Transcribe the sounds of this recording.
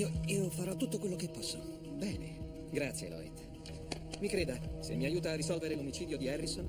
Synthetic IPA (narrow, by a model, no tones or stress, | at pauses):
ioiːofaɾɔt̪ːut̪ːokwelːokepːɔsːo | bɛːnḛ | ɡɾat̪sjḛlɔ̰ḛt̪ | mikɾeːd̪asḛmːiajuːt̪aːrːisɔlveɾelomit͡ʃiːd̪jod̪iɛrːison